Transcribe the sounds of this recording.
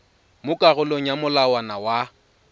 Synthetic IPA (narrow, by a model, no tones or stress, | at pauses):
mʊkʼaɣʊloŋ̩jamʊlawanawa